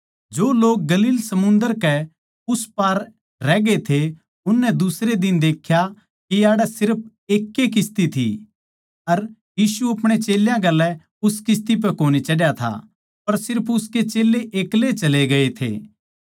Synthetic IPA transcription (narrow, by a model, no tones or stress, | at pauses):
d͡ʒoːloːk̚ɡɐliːlsɐmʊ̃nd̪əɾkɛ | ʊspaːɾː | ɛːɡet̪ʰe | ʊnːɛd̪ʊsɾed̪ɪnd̪eːkʰja | kijaːɽɛsɪɾp̚ʰ | eːkːekɪst̪it̪ʰḭ | ɐɾjiːsuɐpɽ̃et͡ʃeːljãɡɐlːɛ | ʊskɪs̬t̪ip̬ɛkoːnit͡ʃɐɽjat̪ʰa̰ | pɐɾsɪɾpʰʊsket͡ʃeːlːeʔeːklet͡ʃɐleɡɐet̪ʰḛː